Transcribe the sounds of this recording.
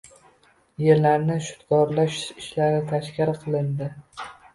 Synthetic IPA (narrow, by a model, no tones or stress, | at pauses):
jeɾlaɾnɪʃʊ̥t̪ɡɒɾlaʃɪʃlaɾɪt̪ʰaʃkʲɪɾqʰɨlˠɪnd̪ɪ